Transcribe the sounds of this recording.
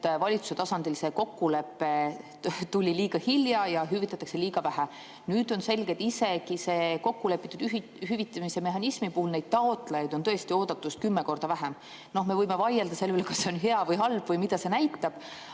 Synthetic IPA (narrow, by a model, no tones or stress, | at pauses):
vɑlʲit̪su̥se̞t̪ɑsɑnd̪̥ilse̞ko̞kːule̞pːe̞ | t̪ulʲiliːɡ̥ɑhiljɑjɑɦyvit̪ːˑɑt̪ːɑkse̞liːɡ̥ɑvæɦæ | nyːd̪̥o̞nse̞lɡ̥e̞t̪ːise̞kise̞ko̞kːule̞pːˑit̪ːˑud̪ | hyvit̪ːˑemise̞me̞ɦɑnismipuhulnejd̪̥̚t̪ɑot̪ˑlɑjɑjd̪o̞nt̪ɤ̞est̪ioːd̪̥ɑt̪ːˑust̪̚kymːe̞ko̞rd̪̥ɑvæɦem | no̞hme̞vɤjme̞vɑjeld̪ɑse̞lːeyelkɑsːeo̞nɦe̞ɑvɤjɦɑlb̥vɤjmid̪̥ɑse̞næjt̪ːˑɑb̥